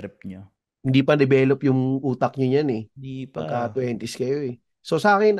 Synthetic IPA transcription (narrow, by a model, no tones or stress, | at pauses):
ɾɪp̚ɲo | hɪnd̪iːpɐd̪ɛbɛːlopjʊŋʔuːt̪ɐk̚ɲoɲanɛd̪ipɐɡkːɐt̪wɛːnt̪ɪskɐjo̞ɛ | so̞sɐʔaːkɛn